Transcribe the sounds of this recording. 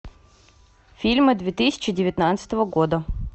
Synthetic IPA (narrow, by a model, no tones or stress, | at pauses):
fʲilʲmɨd̪vʲet̪ɨsʲɪ̥t͡ɕɪdʲɪvʲɪt̪nat̪sɨ̥t̪əvəɡod̪ə